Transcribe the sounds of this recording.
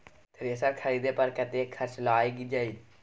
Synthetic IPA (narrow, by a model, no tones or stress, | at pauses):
t̪eɾiəsəɾkʰəɾiːd̪eːpəɾkət̪eːkʰːəɾt͡ʃlaːeːɡiːd͡ʒaːiː